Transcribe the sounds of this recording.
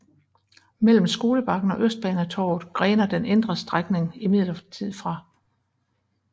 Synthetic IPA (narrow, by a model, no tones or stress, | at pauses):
mel̰m̩sɡ̥o̝ːləb̥ɑ̈ɡ̥n̩ɒ̽ʔøsd̥̚b̥ɛːn̩æt͡sʰɒ̰ːð̩ˠɡ̥ʁɛːnɐd̥enend̥ʁɐsd̥ʁaɡ̥ne̝ŋimið̞̰ˠlɐt͡sʰið̰ˠfʁɑ̈